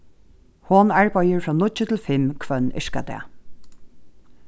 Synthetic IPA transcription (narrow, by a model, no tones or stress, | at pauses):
hɔːnaɹbœjəɹfɹɔnʊt͡ʃət̪ʰɪlfɪmkʰvœnɪ̰ʂka̰d̪ɛ̰